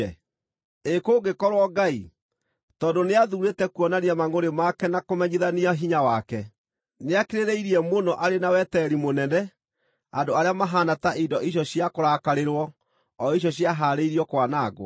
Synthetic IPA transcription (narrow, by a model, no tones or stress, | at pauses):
ɛ | ekoːɡekɔɾwɔɡai | tɔːndoneaðuːɾetɛkwɔnaniamaŋoɾemakɛnakomɛɲiðaniaɦiɲawakɛ | neakeɾeɾeiɾiɛmonɔʔaɾenawɛtɛɾimonɛnɛ | adoaɾeamaɦanataʔidɔʔiɕ̬ɔɕjakoɾakaɾeɾwɔː | iɕ̬ɔɕjaɦaːɾeiɾiɔkwanaːɡwɔ̰